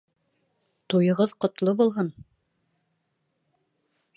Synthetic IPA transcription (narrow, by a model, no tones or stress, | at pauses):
t̪ujɤ̆ʁɤðqŏt̪lˠobulˠɦɤn